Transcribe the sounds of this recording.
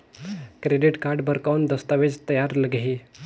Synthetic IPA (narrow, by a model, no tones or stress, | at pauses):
kɾeɖiʈkaɾɖbəɾkaund̪əst̪aʋed͡zt̪əjaɾləɡi